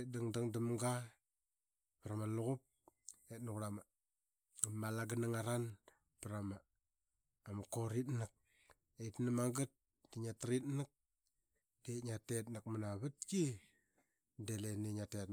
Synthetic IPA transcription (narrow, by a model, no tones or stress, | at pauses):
t̚daŋdaŋdəmɡa | pɾamaluɣup̚etnukɾama | malaɡənaŋaɾan | pəɾamaː | makoɾitnɨk̚ | eitnamaɡət̚ | diɲatɾitnɨk̚ | d̥etɲatetnakmanaβɨt̚ki | deleniɲatet̚